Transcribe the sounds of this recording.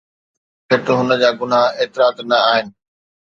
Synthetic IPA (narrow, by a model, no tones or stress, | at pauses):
pʰɪʈ̪ɦʊnə̆d͡ʑaːɡʊn̤aːeːt̪ɪɾaːt̪nɐaːɦɪnɪ̆